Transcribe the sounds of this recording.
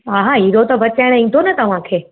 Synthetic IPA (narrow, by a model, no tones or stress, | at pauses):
aːɦaiɾot̪ɐbʱɐt͡ɕaɪɽ̃ĩːnd̪ʱonɐt̪ɐʋ̤ãkʰeː